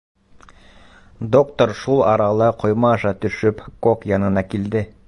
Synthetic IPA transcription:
d̪o̞kt̪oɾʃulˠɑɾɑlˠɤqʰŏjmɑːʃɑt̪ɵ̆ʃɵpkokjɑnɤ̆nɑkild̪ɘ

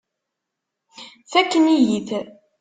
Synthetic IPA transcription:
θækːənijiθ

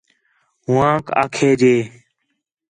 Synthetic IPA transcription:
ɦʊãːka̰ːkʰeːd͡ʒeː

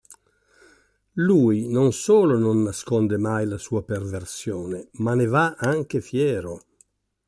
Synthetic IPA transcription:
luːinonsoːlononːaskɔnd̪emajlasuːaperversjoːnemanevaaŋk̟efjɛːɾo

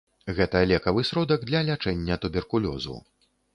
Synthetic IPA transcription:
ɣɛt̪ɐlʲɛkɐvɨsɾɔd̪ɐɡd̪lʲɐlʲat͡ʂɛnʲːɐt̪ubʲɛrkulʲɔ̰zṵ

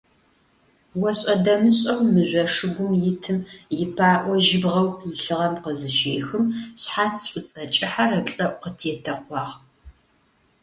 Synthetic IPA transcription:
wɐɕʼɐdɐmɨɕʼɐwmɨʑʷɔʂɨɡʷʊmjɪtʰɨmjɪpʰaːʔʷɔʒɪbʁɐwjɪɬɨʁɐmqəzɨʃeːxɨmɕħaːt͡sʰfʷʊt͡sʼɐt͡ʃʼɪħarɐpɬʼɐʔʷqətʰetʰɐqʷɑːʁ

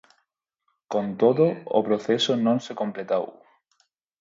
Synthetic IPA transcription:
kont̪oðʊ̰ːpɾoθesʊnõŋsekomplet̪aw

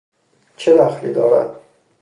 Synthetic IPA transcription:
t͡ʃʰed̪æxlḭːd̪ɒːɾæ̰d̪̥̚

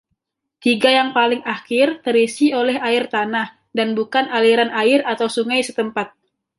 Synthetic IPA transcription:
t̪iɡajaŋpalɪŋakɪrt̪əɾisiolɛɦaɪrt̪anah | danbukanaliɾanaɪrat̪awsuŋajsət̪əmpat̪̚

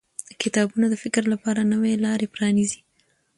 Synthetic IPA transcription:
kɪt̪ɑbunad̪əfɪkɾlapɑɾanəwelɑɾepɾɑnizi̥

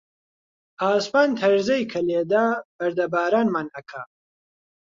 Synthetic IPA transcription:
aːspaːnt̪ʰɐɾzɐjkʰɐleːd̪aːb̥ɐɾd̪ɐbaːɾaːnmaːnɐkʰa

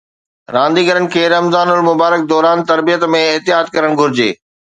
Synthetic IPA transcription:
ɾãːnd̪iɡɐɾənɪ̆kʰeːɾɐmzaːnʊlmʊbaːɾək̚d̪ɔːɾaːnt̪ɐɾbijət̪mẽɪɦt̪ɪjaːd̪̚kɐɾəɽ̃ɡʱʊɾɪd͡ʑḛː

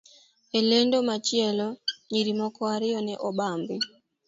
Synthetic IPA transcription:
elendomat͡ʃjɛlɔɲiɾimɔkɔaɾɪɔnɛʔɔɓambɪ

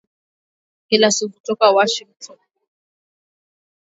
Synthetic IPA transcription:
kɛlasivutɔkawaʃiŋtʰɔn

